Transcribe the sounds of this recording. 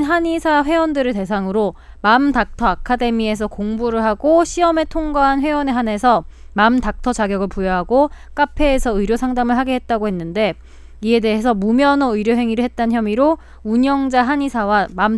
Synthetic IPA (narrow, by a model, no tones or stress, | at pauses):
nɦaɲisʰaɸwe̞ʌndɯɾɯɭte̞sʰaŋɯɾo | mamtak̚tʰʌakʰade̞mie̞s̬ʰʌkoŋbuɾɯɭɦaɡoɕʰiʌme̞tʰoŋɡaɦanɸwe̞ʌne̞ɦane̞sʰʌmamtak̚tʰʌt͡ɕaɡjʌɡɯɭpujʌɦaɡok͈apʰe̞ːsʰʌɯɾjosʰaŋdamɯɭɦaɡiɦe̞t̚t͈aɡoɦe̞nːɯnde̞ | ie̞de̞ɦes̬ʰʌmumjʌnʌɯiɾjoɦe̞ŋiɾɯɭɦe̞t̚t͈ançjʌmiɾo | uɲʌŋd͡ʑaɦaɲisʰawamam